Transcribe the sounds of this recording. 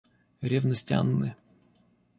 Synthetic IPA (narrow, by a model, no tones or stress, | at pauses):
ɾʲevnəsʲtʲa̰nːɨ